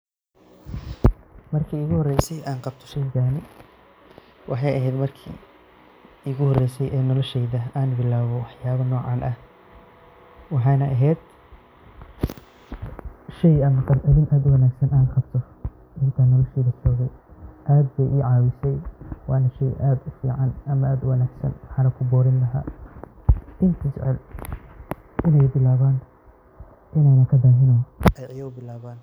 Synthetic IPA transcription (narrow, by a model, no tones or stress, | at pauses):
mɐrkʰiːʊɣʊhɔrɛjsɛjʔaːnqɑb̚t̪ʰɔ̥ʃɛjɣaːnɪ | wɑħɑjɐɦɛjd̪mɐrkʰḭː | ɪɣʊhɔrɛjsɛjʔɛːnɔlɔʃɛjðɐaːnbɪlaːβɔwɑħjaːβɐnɔːʕɑːnʔɐh | wɑħɑːnɐʔɐɦɛːd̪ | ʃɛjɐnqɑlʔɐðɪnʔaːd̪ʊwɐnaːɡsɐnaːnqɑb̚t̪ʰɔ | ʔɪnt̪ʰaːnɔːlɐʃiːðɐsɔːɣɛjʔaːd̪̚bɛjʔiːʕaːwɪsɛjwɑːnɐʃɛjʔaːd̪ʊfḭːʕɑnʔɐmɐaːd̪ʊwɐnaːɡsɐ̰nwɑħaːnɐkʰʊbɔːɾɪnlɐɦa̰ː | d̪̥ɪnk̪ʰisʕɛ̰l | ʔɪnɛjbɪlaːβaːn | ʔɪnɛjnɐkʰɐd̪aːɦɪnɔːʔɛjɐjɐʊbɪlaːβaːn